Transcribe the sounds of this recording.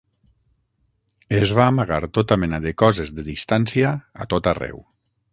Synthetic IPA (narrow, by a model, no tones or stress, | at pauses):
ezβaːmaɣaɾt̪ot̪amɛnaðekɔzezðeðist̪ansiaa̰t̪ot̪arɛ̰w